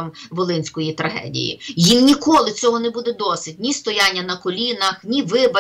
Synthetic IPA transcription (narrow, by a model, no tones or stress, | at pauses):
mʋɔlˠɪnʲsʲkɔjit̪ɾɐɦɛ̰dʲḭjḭjinnʲikɔlˠɪt͡sʲɔɦɔnebud̪ɛd̪ɔsɪdʲnʲist̪ɔjanʲːɐnɐkɔlʲinɐxnʲiʋɪbɐ